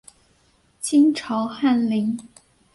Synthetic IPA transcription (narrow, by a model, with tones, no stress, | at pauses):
t͡ɕʰi˥nʈ͡ʂʰɑ˧˥ʊxa˥˩nli˧˥ŋ